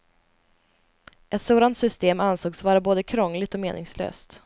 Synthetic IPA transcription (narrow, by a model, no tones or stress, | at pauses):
ʔɛt̪soːd̪ant̪sʏst̪eːmansoːɡsvɑːɾaboːd̪əkʰɾɔŋːlɪɡt̪ɔmeːnʔɪ̰ŋslø̰ːst̪